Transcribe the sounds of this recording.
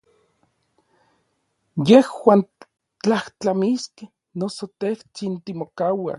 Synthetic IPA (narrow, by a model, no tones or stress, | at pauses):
jehwaːn | t͡ɬaht͡ɬamiske | nosot̪eht͡sint̪imokawa̰